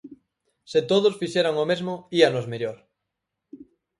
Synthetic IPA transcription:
set̪oð̞osfiʃeɾaŋomezmoianozmeʎoɾ

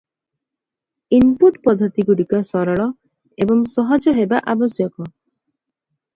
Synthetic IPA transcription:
inpuʈpɔd̪ʱɔt̪iɡuɽikɔsɔɾɔɭɔ | ebɔŋsɔɦɔd͡ʒɔɦebaʔabɔsjɔkɔ

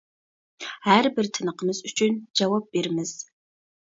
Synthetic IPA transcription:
arbɨrtʰɨnɨqəmɨzut͡ʃʰʼɪnd͡ʒɐwɐb̚ːirmɨz̥

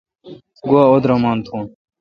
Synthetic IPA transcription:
ɡuaːod̪ɾɐmaːnt̪ʰũːn

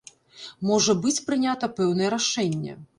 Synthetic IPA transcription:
mɔʐɐbɨt͡sʲpɾɨnʲat̪ɐpɛwnɐjɛɾaʂɛnʲːɐ̰

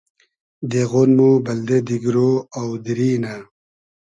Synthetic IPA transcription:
d̪eɣonmubɐld̪ed̪iɡɾoawd̪iɾiːna

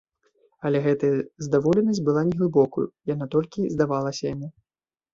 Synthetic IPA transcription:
ɐlʲɛɣɛt̪ɐjɐzd̪avɔlʲɛnɐsʲbɨlˠanʲɛɣlˠɨbɔkujṵjanat̪ɔlʲkʲizd̪avalˠɐsʲɐjamʲi

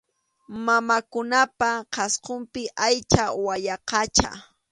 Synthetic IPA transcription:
mamakʊnapaqɑsqompɪʔajt͡ʃawajɑqɑt͡ʃa̰

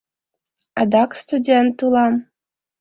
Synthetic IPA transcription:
ɑd̪ɑkst̪udʲent̪ːulˠɑm

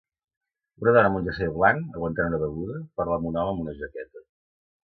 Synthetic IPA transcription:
unəðɔnəmunʲd͡ʒəseβlanəɣwənt̪anunəβəɣuðəpəɾlamunɔməmunəʒəkɛt̪ə

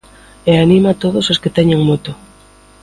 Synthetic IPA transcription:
eanĩmat̪oð̞ososket̪ɛɲeŋmot̪o

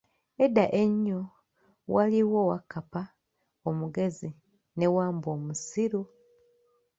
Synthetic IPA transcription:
edːaʔe̞ɲːo | waliwo̞wakːapa | omuɡe̞zi | ne̞waːmbo̞ːmusiɾu

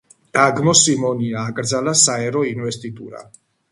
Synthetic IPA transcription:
d̪̥aɡmɔsimɔniaːkʼɾd̪zalasaɛɾɔinvɛst̪ʼit̪ʼuɾa̰

